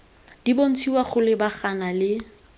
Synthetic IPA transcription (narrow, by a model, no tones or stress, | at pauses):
d̥ibon̩t͡sʰiwaχʊlɪbaχanalɪ